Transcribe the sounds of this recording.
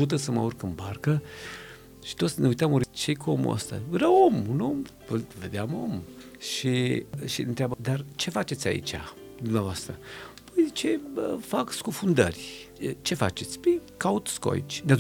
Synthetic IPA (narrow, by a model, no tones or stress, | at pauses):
ut̪̬əsəmaurkɨnbarkə | ʃi̥t̪o̞t̪sʲneujt̪amuɾit͡ʃejkuomṵə̰st̪a̰veɾao̞muno̞m | əlve̞d̪eamo̞m | ʃiʃiɨnt̪ɾeabad̪art͡ʃe̞fat͡ʃet̪sʲa̰ḭt͡ʃʲa̰ | d̪umneavoast̪ɾəpəjt͡ʃeəfakskufund̪ərʲt͡ʃe̞fat͡ʃe̞t̪sʲpekaut̪skoa̰ḭt͡ʃʲd̪a